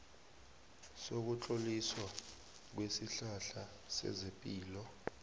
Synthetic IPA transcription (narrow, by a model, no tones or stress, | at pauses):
sok̬ut͡ɬʼoliswa | k̬wesiɬaɬa | sɛ̰zepʼiːlɔ